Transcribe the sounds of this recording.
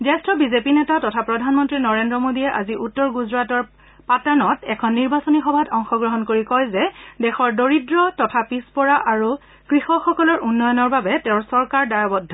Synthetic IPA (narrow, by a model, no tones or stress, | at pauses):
zɛstɹɔbizepinɛtatɔtʰapɹɔdʱanmɔntɹinɔɹendɹɔmodiɛʔa̰ziʔutːɔɹɡuzɹatɔɹ | patanɔtɛkʰɔnːiɹbasɔnixɔbʱatɔŋxɔɡɹɔɦɔnkoɹikɔjzɛdɛxɔɹdoɹidɹɔtɔtʰapispɔɹaʔaɹu | kɹixɔxɔkɔlɔɹʔunːɔjɔnɔɹbabɛtɛ̃ʊ̃ɹsɔɹkaɹdaɹabɔdʱɔ